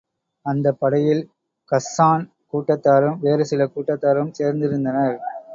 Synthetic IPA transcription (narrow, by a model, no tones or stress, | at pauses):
ɐnd̪ɐpːɐɽɐjɪl | kɐsːaːn | kuːʈːɐt̪ːaːɾɯmʋeːɾɯsɪlɐkuːʈːɐt̪ːaːɾɯmseːɾnd̪ɪɾɯnd̪ɐnɐɾ